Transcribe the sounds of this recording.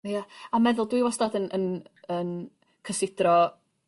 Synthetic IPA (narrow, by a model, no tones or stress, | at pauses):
jaamɛðʊlˠdwiwɔsdadənənən | kʰəsɪd̥rɔ